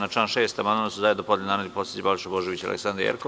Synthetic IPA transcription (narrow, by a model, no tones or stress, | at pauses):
nat͡ʃanʃeːst̪amand̪onsuzajed̪opo̞d̪lʲenaːnalʲiposjet͡ɕibaliʃaboʒeʋit͡ɕa̰lḛksand̪ɾijḛɾko